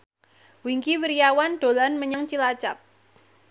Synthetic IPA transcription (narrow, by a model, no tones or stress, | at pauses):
wiŋkiwiɾijawanɖ̥o̤lanməɲaŋt͡ʃilat͡ʃap̚